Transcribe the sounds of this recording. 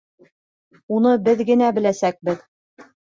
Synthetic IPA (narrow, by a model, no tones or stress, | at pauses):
unɤbɘðɡɘ̆næbɘ̆læsæk̚bɘð